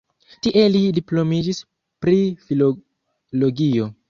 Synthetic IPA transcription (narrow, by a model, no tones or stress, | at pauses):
tiʔe̞lidiplo̞mid͡ʒis | pɾifilo | lo̞ɡio̞